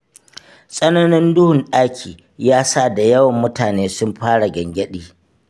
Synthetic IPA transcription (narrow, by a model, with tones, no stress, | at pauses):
sʼɐ˦nɐ˦nɪ˦ndʊ˦hʊ˨nɗaː˦kʲʰiː˨ | jaː˦sa˦˨da˨jɐ˦wɐ˨mːʊ˦taː˨neː˦sʊ˦mɸaː˦ɽa˨ɡɐ˨ŋɡʲɐ˦ɗiː˨